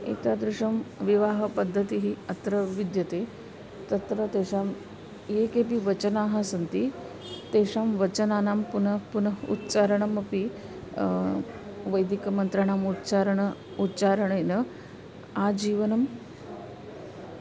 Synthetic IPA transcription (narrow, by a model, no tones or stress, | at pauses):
ḛt̪ad̪ɾiʂəmʋiʋaːɦəpəd̪ʱːət̪iɦiɐt̪ɾəʋid̪jət̪e | t̪ɐt̪ɾət̪eɕam | jekep̬iʋət͡ɕənaɦasənt̪i | t̪eʂamʋət͡ɕənanampunəpunəṵt̪ːt͡ʃaɾəɳɐmɐpi | ʋəjd̪ikmənt̪ɾəɳamut͡ɕaɾəɳ | ut̪ːt͡ʃaɾəɳenə | ad͡ʑiːʋənəm